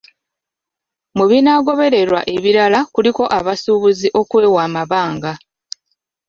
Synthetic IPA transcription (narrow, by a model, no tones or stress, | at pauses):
muβinaɡo̞βe̞ɾe̞ɾwa̰ʔe̞βiɾalakuliko̞ʔaβasuːβuziʔo̞kwe̞ːwaːmaβaːŋɡa